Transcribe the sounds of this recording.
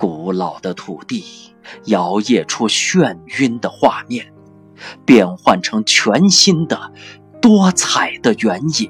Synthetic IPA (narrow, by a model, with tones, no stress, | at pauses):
ku˨˩lɑ˨˩ʊd̪ə˦t̪ʰu˨˩t̪i˥˩ | jɑ˧˥ʊjɛ˥˩ʈ͡ʂʰu˥ɕɥɛ˥˧ny˥nd̪ə˨xwa˥˧mjɛ˥˩n | pjɛ˥˧nxwa˥˩nʈ͡ʂʰɤ˧˥ŋt͡ɕʰɥɛ˧˥nɕi˥nd̪ə˨ | t̪wɔ˥t͡sʰa˨˩ɪd̪ə˦ɥɛ˧˥ni˨˩˦n